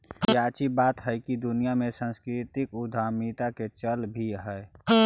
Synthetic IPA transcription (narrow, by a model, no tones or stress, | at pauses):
jaːt͡ʃibaːt̪ɦɛɪkid̪ʊnijamẽsãnskɾɪt̪ɪkʊd̪ʱaːmit̪aket͡ʃəlbʱiɦɛː